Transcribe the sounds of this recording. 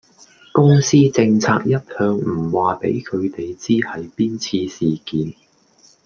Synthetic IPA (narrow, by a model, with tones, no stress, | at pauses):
kʊ˥ŋsiː˥t͡sɪ˧ŋt͡sʰa̰ː˧k̚jɐ˥t̚hœː˧ŋm̩˨˩waː˨pḛ˨˥jkʰɵ˨˧ɥt̪e˨jt͡siː˥hɐ˨jpiː˥nt͡sʰiː˧siː˨kiː˨˥n